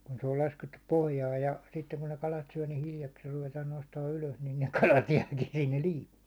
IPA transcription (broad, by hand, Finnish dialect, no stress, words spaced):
kun se ol lɑsketːup pohjɑːj jɑ sitːeŋ kun ne kɑlɑt syæ ni hiljɑksiːr ruʋetɑːn nostɑːn yløs nin ne kɑlɑt jæːkin sinːel liːpːiːn̞